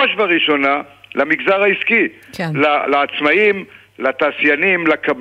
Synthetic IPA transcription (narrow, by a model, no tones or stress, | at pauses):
oʃvaʁiʃo̞nalamiɡzaʁaiskilalaːt͡smaim | lat̪aːsjanimlakab